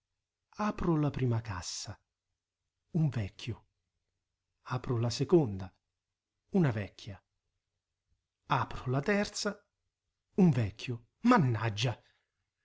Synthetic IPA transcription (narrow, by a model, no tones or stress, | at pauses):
aːpɾʊlapɾiːmaka̰sːa | uɱvɛkːjʊ | aːpɾʊlasekond̪a | unavɛkːja | aːpɾʊlat̪ɛrt̪sa | uɱvɛkːjʊ | manːad͡ʒːa